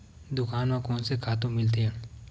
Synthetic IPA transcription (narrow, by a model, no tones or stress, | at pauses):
d̪ʊkaːnmẽkɔːnsekʰaːt̪ũmɪlt̪̬eɦɛ̃